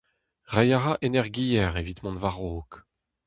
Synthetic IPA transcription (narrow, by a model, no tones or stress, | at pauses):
ʁɛjaʁaʔenɛʁɡijɛʁevit̪mɔ̃nvaʁoːk